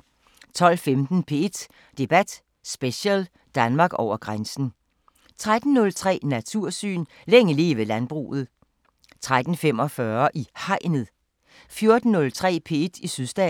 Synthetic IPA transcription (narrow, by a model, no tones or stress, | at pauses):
t͡sʰɒ̽l̰femd̥n̩pʰe̝e̝d̥ | d̥e̝b̥æd̥ | sb̥eɕɛl | d̥ænmɑ̈ɡ̥ɒʊ̰ɐɡ̥ʁansn̩ | t͡sʰʁad̥n̩ːɔ̽lt͡sʰʁɛ̰ːnæt͡sʰuɐ̰sy̰ːn | leŋəleːʋelænb̥ʁṵːð̞̩ˠ | t͡sʰʁad̥n̩fem̰ɒ̽fɶɐʔihɑ̈ɪ̰nəð̩ˠ | fjo̝ɐd̥n̩ːɔ̽lt͡sʰʁɛ̰ːpʰe̝̰ːed̥isyðˠsd̥ɛ